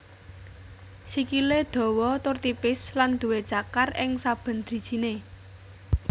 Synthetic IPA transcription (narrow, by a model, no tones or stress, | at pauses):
sikiled̪̥ɔ̤wɔt̪ʊrt̪ipɪsland̪̥uwed̥ʒ̥a̤karɪŋsab̥ə̤nd̪̥ɾi̤d̥ʒ̥ine